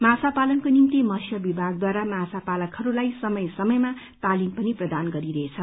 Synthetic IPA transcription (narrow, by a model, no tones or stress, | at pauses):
masapalʌnkonimt̪imʌsjʌbibʱaɡ̚d̪waɾamasapalʌkhʌɾulajsʌmʌjsʌmʌjma | t̪alimpʌniprʌd̪anɡʌɾiɾʌet͡sʰʌ